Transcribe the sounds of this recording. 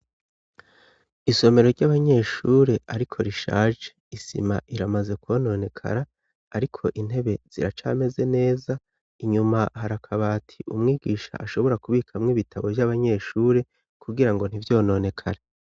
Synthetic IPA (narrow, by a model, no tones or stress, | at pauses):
iso̞me̞ɾo̞ɾɟaβaɲe̞ʃuɾe̞ʔaɾikʰo̞ɾiʃa̰ːʒeisḭmaʔiɾamaze̞kwo̞no̞ne̞kʰa̰ɾaː | ɾikʰo̞ʔin̥he̞βe̞z̥ḭɾat͡ʃa̰ːme̞ze̞ne̞ːza | iɲumahaɾakʰaβaːtʰiʔumŋiːɡiːʃa̰ʔaʃo̞βo̞ɾakuβikʰamŋiβitʰaβo̞vjaβaɲe̞ːʃuːɾe̞ | kuɡiɾaŋɡo̞n̥ivjo̞ːno̞ne̞kʰaɾe